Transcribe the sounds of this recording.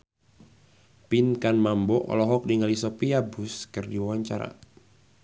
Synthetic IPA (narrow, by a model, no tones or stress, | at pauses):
pinkanmambɔʔɔ̰lɔɦɔk̚diŋalisopiabʊskɨrdiwawaɲt͡ʃa̰ɾa̰